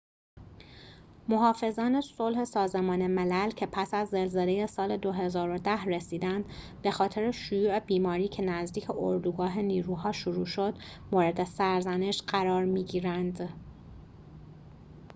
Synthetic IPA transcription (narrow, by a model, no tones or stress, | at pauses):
moɦɒːfe̞zɒːne̞so̞lhesɒːze̞mɒːne̞melælcʰe̞pʰæsæzːe̞lzele̞je̞sɒːled̪o̞ɦe̞zɒːɾo̞d̪æhresiːd̪ænd̪ | be̞xɒːt̪ʰe̞ɾeʃujuːe̞biːmɒːɾiːcʰe̞næzd̪iːcʰeʔoɾd̪uɡɒːɦe̞niːɾuːɦɒːʃuɾuːʃo̞d̪̥moːɾe̞d̪e̞sæɾzæne̞ʃɢæɾɒːɾmiːɟiːɾænd̪